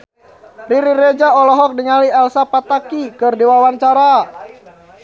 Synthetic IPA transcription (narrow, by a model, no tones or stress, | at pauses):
riɾiɾed͡ʒaɔlɔɦɔk̚diŋaliɛlsapat̪akikɨrdiwawant͡ʃaɾa